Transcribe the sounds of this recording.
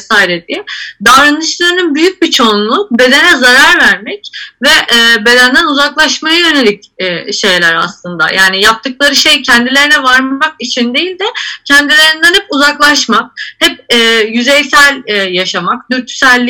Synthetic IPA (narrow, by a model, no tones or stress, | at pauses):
saːiɾed̪id̪avɾanɯʃlˠaɾɯnɯnbyjyc̚bit͡ʃʰo̞nlˠube̞d̪e̞nɛzaɾaɾvæɾmɛcvɛʔbe̞d̪ænd̪ænuzaklˠaʃmajajø̞ne̞lʲicːʃe̞jlʲæɾa̰slˠɯnd̪a̰jʔaːnijap̚t̪ʰɯk̚lˠaɾɯʃejcʰɛnd̪ilʲe̞ɾinɛvaɾmakit͡ʃʰind̪e̞jilʲd̪ɛcʰɛnd̪ilʲe̞ɾind̪ænhɛpuzaklˠaʃmak̚hɛp̚ɛjyzejsælʲɛjaʃamakd̪yɾt̪ʰːy̥sælʲːi